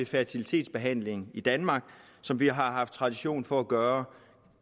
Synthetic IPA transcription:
efæɐt͡sʰilit͡sʰe̝̰ːdsb̥e̝ɦæn̰le̝ŋid̥ænmɑ̈ːɡ̥ | sɒ̽mʋiɦɑ̈ɦɑ̈fd̥̚t͡sʰʁɑ̈d̥iɕo̝̰ːnfɒ̽æɡ̥ɶːɐ

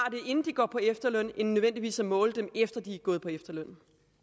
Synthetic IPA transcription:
ɑ̈d̥e̝ʔe̝nn̩d̥iɡ̥ɒ̰ːpʰɒ̽efd̥ɐløn̰ennːøen̰d̥iʋḭːsæmɔ̽ːləd̥emefd̥ɐd̥iæɡ̥ɔ̽ːð̩ˠpʰɒ̽efd̥ɐløn̰

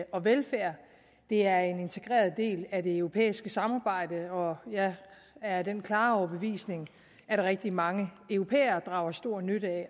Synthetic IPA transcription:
ʔɒ̽ʋelfæɐ̰ | d̥e̝æɐe̝ne̝nt͡sʰe̝ɡ̥ʁɛ̰ːɐð̩ˠd̥e̝̰ːlæd̥e̝øʊʁo̝pʰḛːisɡ̥əsɑ̈mɑ̈ːb̥ɑ̈ɪ̰d̥əɒ̽jɑ | æɐd̥enkʰlɑ̈ːɒʊɐb̥əʋḭːsne̝ŋ | æɾ̥ɑ̈ʁɛɡ̥̚d̥imɑ̈ŋəœʊʁo̝pʰḛːɐːd̥ʁɑ̰̈ʊ̰ɐsd̥o̝ɐ̰nøɾəæ

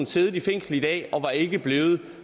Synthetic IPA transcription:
n̩seːð̞ˠd̥ifeŋ̰sl̩əid̥ɛ̰ːɒ̽ʋɑ̈e̝ɡ̥əb̥le̝ːð̞̩ˠ

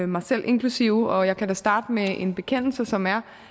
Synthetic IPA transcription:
mɑ̈ɪsel̰ʔe̝nkʰlusiʊɒ̽jɑ̈ɪkʰæd̥æsd̥ɑ̈ːd̥əmeʔe̝nb̥e̝kʰen̰l̩səsɒ̽mæɐ

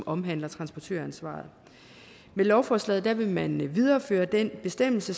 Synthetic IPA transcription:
mɒ̽mɦæn̰lɐt͡sʰʁɑ̈nsb̥ɒt͡sʰø̰ɐænsʋɑ̰̈ːð̩ˠ | melɒʊfɒːslɛ̰ð̩ˠd̥æʋe̝mænʋið̞ˠɐːføːɐd̥enb̥e̝sd̥em̰l̩sə

